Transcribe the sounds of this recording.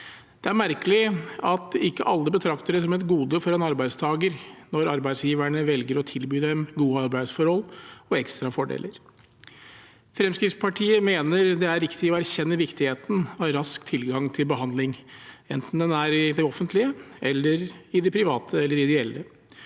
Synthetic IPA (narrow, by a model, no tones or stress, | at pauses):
d̪̥ɛæɾmæɾkəlɪɑt̪ɪkːəʔɑlːəbət̪ʰɾɑkt̪əɖɛsɔmɛt̪ɡuːd̪əfɔɾɛnɑɾbæɪd̪st̪ʰɑːɡəɾnɔɾɑɾbæɪsjiːʋæɳəʋɛlɡəɾɔt̪ʰɪlbyːd̪ɛmɡuːəɑɾbæɪsfɔɾhɔlɔɛkst̪ɾɑfɔɖḛːləɾ | fɾɛmskɾɪt̪spʰɑʈʰiːəmeːnəɾd̪ɛæɾɾɪkt̪ɪɔæɾçɛnːəʋɪkt̪ɪheːt̪n̩ɑʋɾɑskt̪ʰːɪlɡɑŋt̪ʰɪlbəɦɑnd̪lɪŋɛnt̪n̩d̪ɛnæɾɪd̪ɛɔfənt̪lɪəʔɛlːəɾɪd̪ɛpʰɾɪʋɑːt̪ʰəɛlːəɾɪd̪ɛɛlːə